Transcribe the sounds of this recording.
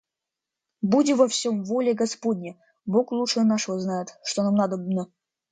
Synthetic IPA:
budʲɪvɐfsʲomvolʲeɡɐspodʲnʲe | boklˠuʂənɑʂoznɑjət̪ʂt̪onɑmnɑd̪əbnə

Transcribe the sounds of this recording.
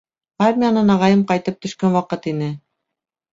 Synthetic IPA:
armʲijanɤnɑʁɑjɤmqɑjt̪ɤp̚t̪ɵ̆ʃkænwɑqɤt̪inɘ

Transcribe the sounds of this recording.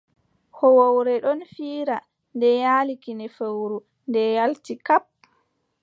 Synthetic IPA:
hɔwowɾɛɗɔnfiːɾa | ndɛjalikinɛfewɾu | ndɛjaltikap̚

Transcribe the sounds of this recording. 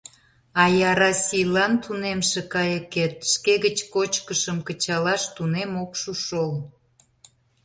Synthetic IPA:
ɑjɑɾɑsʲijlɑnt̪ʰunemʃekɑjəket̪̚ʃkeɣət͡ɕkot͡ɕkəʃəmkət͡ɕɑlɑʃt̪unemokʃuʃol

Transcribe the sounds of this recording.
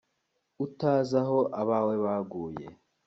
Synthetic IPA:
utaːzaɦo̞ʔaβawe̞βaɡuːjḛ

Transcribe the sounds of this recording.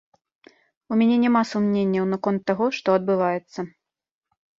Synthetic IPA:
umʲɛnʲɛnʲɛmasumnʲenʲːɐwnɐkɔnt̪ːaɣɔʂt̪ɔɐd̪̚bɨvajɛt̪sːɐ

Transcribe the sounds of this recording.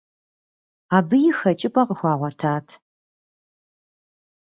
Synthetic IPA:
aːbɨjɪxɐt͡ʃʼɪpʼɐqəxʷɑːʁʷɔtʰaːtʰ

